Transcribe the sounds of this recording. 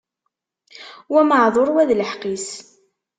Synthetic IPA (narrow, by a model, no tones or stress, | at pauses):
wæməʕðˤoɾˤwæðləħqis